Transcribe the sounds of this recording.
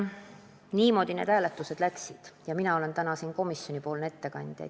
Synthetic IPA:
niːmo̞ːd̪̥ineːd̪hæːlet̪ˑːuse̞d̪̥læksid̪̥jɑminɑo̞le̞nt̪ænɑsiːnko̞misjo̞nʲipo̞ːlne̞t̪ːe̞kɑnʲd̪̥jɑ̰jd̪̥

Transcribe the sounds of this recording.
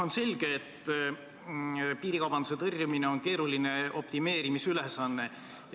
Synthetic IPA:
o̞nse̞lʲɡ̥e̞ːt̪ː | piːɾikɑwb̥ɑnd̪̥use̞t̪ɤrʲjumineo̞nke̞ːɾulineʔo̞̰pt̪ime̞ːɾimisylesɑnːe̞

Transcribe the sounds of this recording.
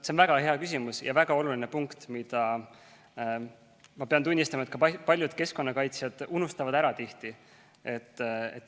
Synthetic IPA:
seonvæɡ̥ɑhe̞ɑkys̬ʲimusjɑ̰væɡ̥ɑo̞luline̞puŋkt̪mid̪̥ɑ | mɑpe̞ɑnt̪unʲːist̪ɑmɑe̞t̪̚kɑpɑlʲjud̪̥ke̞sko̞nːɑkɑjt̪sjɑd̪̥unust̪ɑvɑd̪æɾɑt̪iht̪i | e̞t̪ːḛt̪ː

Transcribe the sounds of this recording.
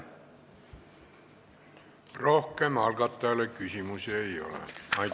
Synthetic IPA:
rohkeːmɑlkɑt̪ːæːlːekysymyseio̰lḛɑi

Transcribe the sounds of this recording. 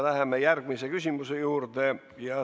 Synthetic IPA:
læhemːejærɡ̥misekysʲimusejuːrt̪e | jɑ

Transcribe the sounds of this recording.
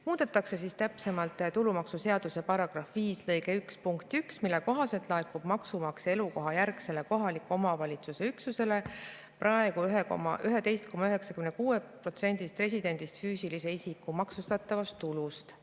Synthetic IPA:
muːd̪̥et̪ːˑɑkse̞sist̪æpse̞mɑlt̪ːˑt̪ulumɑksuse̞ɑd̪̥use̞pɑɾɑɡ̥rɑfviːslɤjɡe̞ykspuŋkt̪ˑyksmilːeko̞ɦɑse̞lt̪ˑlɑekːub̥mɑksumɑkse̞luko̞ɦɑjærɡse̞le̞ko̞ɦɑlikːˑuo̞mɑvɑlʲit̪suse̞yksuse̞le̞ | prɑe̞ɡ̥uyɦeko̰mɑ̰ʔyɦe̞t̪e̞jst̪̚ko̞mɑyɦe̞ksɑkymnekuːepro̞t̪se̞nʲd̪̥ist̪pre̞sid̪e̞nʲd̪̥ist̪fyːsilise̞isikːumɑksust̪ɑt̪ːˑɑvɑst̪ːulust̪

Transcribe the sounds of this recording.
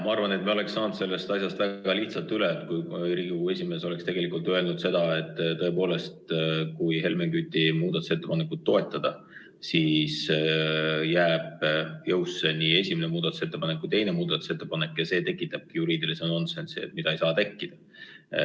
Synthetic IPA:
mɑɑrvɑne̞t̪meole̞ksːɑːnd̪se̞lːe̞st̪ɑsjɑst̪væɡ̥ɑliht̪sɑlt̪ːylet̪kujɾiɡue̞sʲime̞ːso̞lekst̪e̞ɡ̥e̞likˑult̪ø̞e̞lnud̪̥se̞d̪̥ɑe̞t̪ːˑt̪ːɤ̞e̞po̞ːle̞st̪kujhe̞lmeŋɡ̥yt̪ʲːˑimuːd̪ɑt̪u̥se̞t̪ːe̞pɑne̞kːut̪̚ːo̞et̪ˑːɑd̪̥ɑ | siːs | jæːb̥jɤwsːenie̞sʲimenemuːd̪̥ɑt̪u̥se̞t̪ːˑepɑnekːujt̪e̞jne̞muːd̪̥ɑt̪ːˑu̥set̪ːˑe̞pɑnekːjɑse̞ːt̪e̞kˑːit̪ːˑɑb̥̚kijuɾiːd̪iliseno̞nse̞nst̪mid̪ɑejsɑːt̪e̞kːid̪̥ɑ

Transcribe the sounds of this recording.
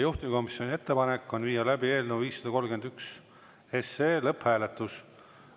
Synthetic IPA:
juht̪imiko̞misjo̞nʲie̞t̪ːe̞pɑnekːˑo̞nviːjɑlæbie̞ːlnuviːsːɑd̪ɑko̞lɡe̞nd̪̥yks | eseːlɤphæːle̞t̪ːˑus

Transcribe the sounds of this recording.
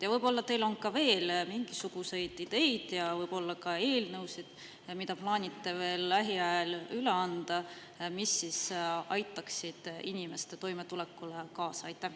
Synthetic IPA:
jɑvɤjb̥o̞lːɑt̪e̞jlo̞nkɑve̞ːlmiŋɡ̥isuɡ̥use̞jd̪̥id̪̥e̞jd̪̥jɑvɤjb̥o̞lːɑkɑe̞ːlnɤwsid̪̥ | mid̪̥ɑplɑːnʲit̪ːˑe̞ve̞ːlːæɦiɑelyleɑnd̪̥ɑ | misːisɑjt̪ːˑɑksid̪̥inʲime̞st̪e̞t̪o̞jmet̪ulekːˑulekɑːsɑɑjt̪ːˑæh

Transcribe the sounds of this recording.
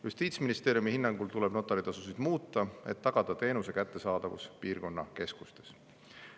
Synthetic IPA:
just̪iːt̪sminist̪e̞ːɾjumihinːɑŋɡ̥ult̪uleb̥no̞t̪ːˑɑlit̪ɑsusid̪̥muːt̪ːˑɑe̞t̪ːɑɡ̥ɑd̪̥ɑt̪e̞ːnuse̞kæt̪ːe̞sɑːd̪̥ɑvṵspiːrko̞nːɑ̰ke̞sku̥st̪e̞̥s

